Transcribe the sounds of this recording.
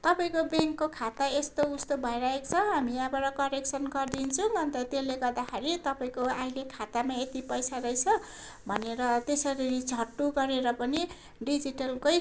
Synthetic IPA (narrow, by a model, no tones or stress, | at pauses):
t̪ʌpaĩkobeŋkːokʰat̪aest̪oust̪obʱʌeɾʌɦekt͡sʰʌɦamiabʌɾʌkʌɾeksʰʌnɡʌrd̪int͡sʰubʱʌnt̪ʌt̪eleɡʌrd̪akʰaɾit̪ʌpaĩkoailekʰat̪amaet̪ipʌjsaɾʌjt͡sʰʌ | bʱʌneɾʌt̪esʌɾiɾid͡zʱʌʈːuɡʌɾeɾʌpʌni | ɖid͡ziʈʌlkoj